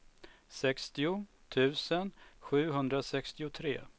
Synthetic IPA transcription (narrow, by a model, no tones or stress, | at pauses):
sɛkst̪ɪʊ | t̪ʰʉ̟ːsənɧʉ̟ːɦɵnd̪ɾasɛkst̪ɪʊt̪ʰɾḛː